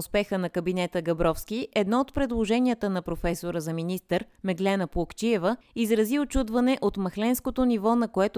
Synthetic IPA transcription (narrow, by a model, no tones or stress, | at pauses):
ʊspɛxənɐkɐbinɛt̪əɡɐbɾɔfskiʔɛd̪nɔot̪pɾɛd̪lˠoʒɛnʲiət̪ənɐpɾofɛsoɾəzɐminist̪əɾmɛɡlɛnəplˠokt͡ʃiɛvəizɾɐziot͡ʃud̪vɐnɛʔot̪mɐxlɛnskot̪onivɔnɐkoɛt̪ʊ